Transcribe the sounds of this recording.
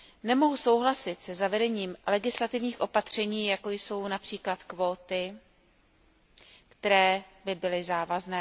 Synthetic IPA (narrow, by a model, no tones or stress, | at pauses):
nɛmo̞ɦuso̞wɦlasɪt̪sɛzavɛdɛɲiːmlɛɡɪslat̪ɪvɲiːxʔo̞pat̪r̝̥ɛɲiːjako̞jso̞wnapr̝̥iːklat̪kvo̞ːt̪ɪ | kt̪ɛɾɛːbɪbɪlɪzaːvaznɛː